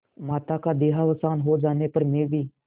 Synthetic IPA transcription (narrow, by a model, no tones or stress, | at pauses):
maːt̪aːkaːd̪eːɦaːʋəsaːnɦoːd͡ʒaːneːpəɾmẽːʋiː